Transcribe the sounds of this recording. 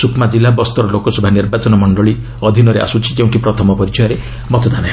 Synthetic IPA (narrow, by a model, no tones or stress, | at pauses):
sukmad͡ʒilabɔst̪ɔɾɔlokɔsɔbʱaniɾbat͡ʃɔnɔmɔɳɖɔɭi | ɔd̪ʱinɔɾeʔa̰sut͡ʃʰi̥d͡ʒeũɳʈipɾɔt̪ʰɔmɔpɔɾit͡ʃʰɔjɔɾe | mɔt̪ɔd̪ʱane